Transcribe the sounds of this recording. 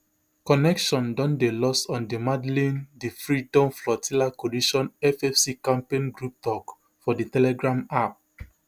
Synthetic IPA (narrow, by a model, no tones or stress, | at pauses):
kɔnɛkʃɔ̃ndɔ̃ndelɔsɔ̃ndimadlĩndifɹidɔ̃mflɔtʰilakɔliʃɔ̃nɛfɛfsikãmpẽnɡɹup̚tɔk | fɔditɛlɛɡɹãmap̚